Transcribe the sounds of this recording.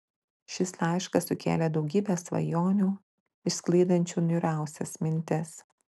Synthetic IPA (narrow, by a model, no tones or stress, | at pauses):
ʃʲɪslɑˑɪʃkɐsʊkʲḛːlʲɛd̪ɒʊɡʲiːbʲesʋɐ̰joːnʲuː | ɪsklˠʲɐɪd̪ɐnʲt͡ʃʲuːnʲʊɾʲæˑʊsʲɛsmʲɪnʲt̪ʲɪs